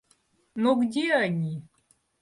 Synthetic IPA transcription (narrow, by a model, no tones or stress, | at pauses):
noɡdʲeanʲi